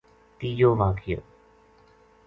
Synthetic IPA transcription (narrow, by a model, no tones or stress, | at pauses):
t̪iːd͡ʒoːmaːkʰɪjo̰ː